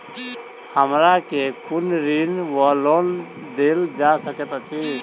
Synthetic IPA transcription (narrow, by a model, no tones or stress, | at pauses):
həmɾakekʊnɾinʋəloːn | d̪eld͡ʒasəkət̪at͡ʃʰi